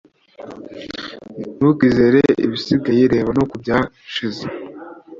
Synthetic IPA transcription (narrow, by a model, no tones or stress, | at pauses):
nukize̞ɾeʔḭβisiɡajiɾe̞ːβano̞kubjaː | ʃize